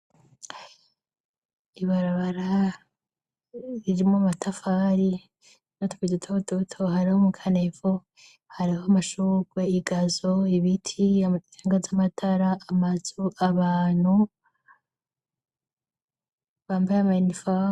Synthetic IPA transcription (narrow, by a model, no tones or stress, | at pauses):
iβaɾaβaɾa | iɾimomatʰafaɾi | notu̥kidutʰodotʰoɦaɾihomukʰanefo | haɾihoamaʃuːɡwe̞iɡazoiβitʰiaaŋɡazamatʰaɾaːmazuʔaβaːn̥hu | βaːmbajeamanifa